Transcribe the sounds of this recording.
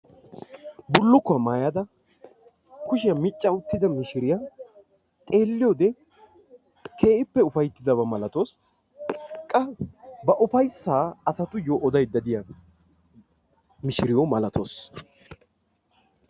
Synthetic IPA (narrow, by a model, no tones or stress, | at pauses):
bʊlːʊkːʊɐmaːjɐd̪ɐ | kʊʃ̬ɪjɐmɪt͡ʃʼːɐʊt̪ːɪd̪ɐmɪʃɪɾɪja | t̪ʼe̞ːlːɪjod̪ɛ | kʰe̞ːʔɪpːɛʊfɐjt̪ːɪd̪ɐbɐmɐlɐt̪o̞ːs | kʼːɐbɐʔʊfɐjsːaːɐsɐt̪ʊjoːʔɔd̪ɐjd̪ːɐd̪ɪjɐ | mɪʃɪɾɪjɔmɐlɐt̪ʰoːs